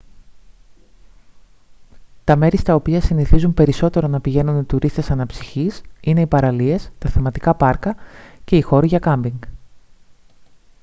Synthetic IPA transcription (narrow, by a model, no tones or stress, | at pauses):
t̪ɐme̞ɾist̪ɐo̞piɐsiniθizumpe̞ɾiso̞t̪e̞ɾo̞nɐpiʝe̞nunit̪uɾist̪e̞sɐnɐpsi̥çisine̞ipɐɾɐlie̞st̪ɐθemɐt̪ikɐpɐɾkɐce̞ixo̞ɾiʝɐkɐmbiŋɡ